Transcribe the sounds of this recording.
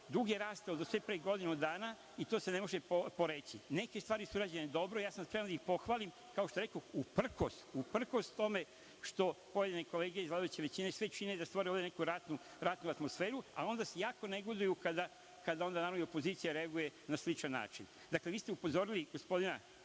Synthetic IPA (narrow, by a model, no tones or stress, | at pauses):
d̪uɡeɾaːst̪eod̪osʋe̞pɾeɡo̞d̪inud̪aːna | it̪oːse̞ne̞mo̞ʒeopo̞ɾe̞t͡ɕine̞kest̪ʋaːɾisuɾad͡ʑened̪o̞bɾojaːsamspɾe̞ʋnd̪aixpo̞xʋaːlim | kaot̪oe̞ɾeko̞upr̩ko̰st̪upr̩ko̞st̪t̪o̞me̞ | ʃt̪o̞po̞je̞d̪ineko̞le̞ːɡeezlad̪ujet͡ɕeʋet͡ɕinesʋe̞t͡ʃined̪ast̪ʋoɾeoʋd̪ene̞kuɾat̪nu | ɾat̪nuat̪mo̞sfe̞ːɾua̰o̞nd̪asejaːko̞ne̞ɡo̞d̪ujukad̪a | kad̪ao̞nd̪anaːɾamio̞po̞ziːt̪sijaɾe̞aɡuje̞naslit͡ʃanːa̰ːt͡ʃin | d̪akle̞ʋiːst̪e̞upo̞zo̞ɾiliɡo̞spo̞d̪ina